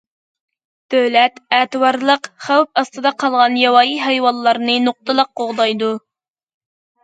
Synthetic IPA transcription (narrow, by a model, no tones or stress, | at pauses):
d̪̥øwlɛt̪ɛːt̪ɨwɑɾlˠəqχæwpɑst̪ɨd̪ɑqʰɑlˠʁɑnjɑwɑːjiɦɛjwɑnˠlːˠɑɾnɨnoq̚t̪ɨlˠəq̚qoʁd̪ɑjd̪u